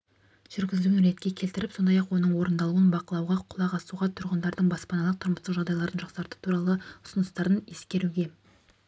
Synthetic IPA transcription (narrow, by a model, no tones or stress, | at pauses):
ʒ̥ʏɾɡʲɪzlɡʲɪnʏɾe̞t̪kʲekʲʰe̞lt̪ɪɾɪpso̞nd̪ɑjɑqwo̞nəɴwo̞ɾənd̪ɑlˠuənbɑqəlˠɑwʁɑqʰʊlˠɑʁɑsuʁɑt̪ʰʊɾʁənd̪ɑɾd̪əɴbɑspɑnɑlˠəq̚t̪ʰʊɾməst̪əqʒɑʁd̪ɑjlˠɑɾənʒɑq̪sɑɾt̪ə̥t̪ʰuɾɑlˠəʊ̥sənəst̪ɑɾəne̞skʲe̞ɾuɡʲe̞